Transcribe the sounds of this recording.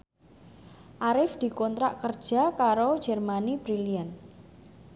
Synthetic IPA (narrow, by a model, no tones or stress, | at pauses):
ʔaɾɪfd̪̥i̤kɔnt̪ɾaʔkərd̥ʒ̥a̤kaɾo̥ʒ̥ɛrmanibɾilian